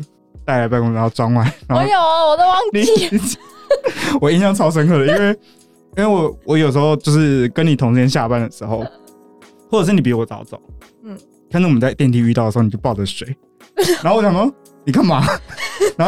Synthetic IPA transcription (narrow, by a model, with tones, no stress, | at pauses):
t̪a˥˧ɪla˧˥ɪpa˥˧ɪko˥ŋa˧˦xo˥˩ʊt͡swɑ˥ŋwa˥˩ɪna˧˦xo˥˧jo˨˩wɔ˨˩d̪ə˧˦wɑ˥ŋt̪i˧˥ | wɔ˨˩i˥njɑ˥˧ŋt͡sʰɑ˥ʊʂ̬ə˥ŋkʰɤ˥˩lə˩i˥we˥˩ɪ | i˥we˥˩ɪwɔ˨˩˦wɔ˧˦jo˨˩ʊʂ̬̩˧˥xo˧ʊt͡ɕjo˥˧ʊʂɻ̩˥˩kə˦˥ni˨˩t̪ʰʊ˧˥ŋ̩ʰ˥˧jɛ˥nɕ̬ja˥˧pa˥˩nd̪ə˩ʂɻ̩˧˥xo˥˩ʊ | xwɔ˥˩ʈ͡ʂɤ˨˩ʂ̬̩˥˩ni˨˩p̬i˧˥wɔ˨˩˦t͡sɑ˨˥ʊt͡so̰˨˦ʊ˥˩ | kʰnt͡swɔ˨˩m˦nt͡sa˥˧ɪt̪jɛ˥˧nt̪i˥˩y˥˧ɑ˥˩də˩˧˥i˨˩t͡ɕo˥˧pɑ˥˩ʊʈ͡ʂə˨˩˦ʂwe˨˦ɪ | na˧˥xo˥˩wɔ˧t͡ɕjɑ˨˩ŋo˥˩ | ni˨˩kʰa˥˩ŋma˨˥˦na˧˥